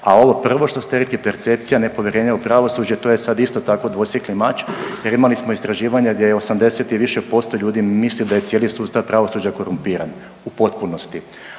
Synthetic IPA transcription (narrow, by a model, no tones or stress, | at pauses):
a̰o̞ʋo̞pr̩ʋo̞ʃt̪ost̪eɾeklipe̞ɾt̪se̞pt̪sijane̞po̞ʋjeɾeːɲeupɾaʋo̞sud͡ʑet̪o̞jesad̪ist̪o̞t̪ako̞d̪ʋo̞sjeklimat͡ʃjeɾimalismo̞ist̪ɾaʒiːʋaɲeɡd̪jejeo̞samd̪e̞set̪iʋiʃepo̞st̪oʎuːd̪imislid̪ajetsjeːlisuːt̪st̪aʋpɾaʋo̞sud͡ʑako̞ɾumpiːɾan | upo̞t̪puno̞st̪i